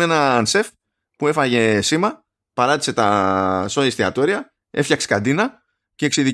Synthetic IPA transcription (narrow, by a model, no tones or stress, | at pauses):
e̞nɐnse̞f | pue̞fɐʝe̞simɐ | pɐɾɐt̪i̥se̞t̪ɐso̞ist̪iɐ̰t̪o̞ɾiɐ | e̞fçɐkse̥kɐnd̪inɐ | ce̞ːksiði